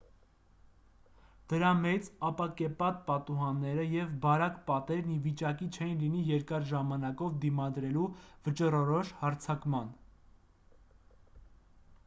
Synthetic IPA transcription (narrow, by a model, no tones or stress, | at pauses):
d̪̥əɾɑmɛt͡sɑpɑkɛpɑt̪̚pɑt̪uɦɑnːɛɾəjɛvbɑɾɑkpɑt̪ɛɾnivit͡ʃɑkit͡ʃʰɛjinlinijɛɾkɑɾʒɑmɑnɑkɔvd̪imɑd̪ɾɛluvət͡ʃərɔɾɔʃhɑɾt͡sʰɑkmɑn